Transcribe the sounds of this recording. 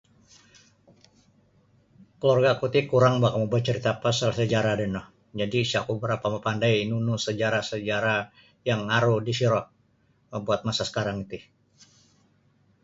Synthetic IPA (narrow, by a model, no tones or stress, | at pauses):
kəluarɡakut̪ikuɾaŋbakaməmbuat̪̚t͡ʃəɾit̪apasalsəd͡ʒaɾadənɔh | d͡ʒadiʃakubəɾapaməpandajnunusəd͡ʒaɾasəd͡ʒaɾa | jaŋaɾudisiɾɔʔ̚ | məmbuat̪̚masasə̥kaɾaŋit̪i